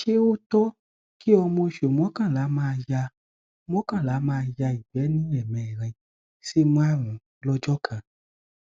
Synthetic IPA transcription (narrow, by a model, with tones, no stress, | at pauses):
ʃe˦o˦tɔ˦ | ki˦ɔ˧mõ˧ʃo˨m̃˨ɔ̃˨˦kã˦˨la˨˦mãː˦a˧ja˧ | m̃˦ɔ̃˦kã˦˨la˨˦mãː˦˧ja˧i˨bɛ˨˦nũ˦ɛ˦˨mɛ̃˨ɾɛ̃˧ | si˦mũ˦a˦˨ɾũ˨˦ | lɔ˦d͡ʒɔ˦kʰã˨